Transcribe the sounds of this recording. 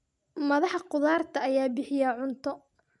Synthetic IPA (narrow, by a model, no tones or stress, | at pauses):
mɐðɑħqʊðaːrt̪ʰɐːjaːbɪħɪjaʕʊnt̪ʰɔ